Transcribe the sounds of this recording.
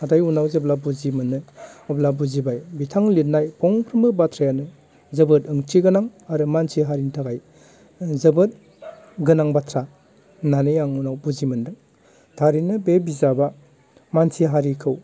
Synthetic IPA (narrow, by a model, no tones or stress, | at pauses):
atajunawzɯblabuzimɯnːɯɔblabuzibajbitʰaŋlit̚najpʰɔŋpʰɾɯmɯbatʰɾajanɯ | zɯbɯtɯŋt͡ʃʰiɡɯnaŋaɾɯmansiɦaɾintʰaɡaj | zɯbɯt̚ | ɡɯnaŋbatʰɾa | nanɯjaŋunawbuzimɯndɯŋ | tʰaɾinɯbebizaba | mansiɦaɾikʰɯw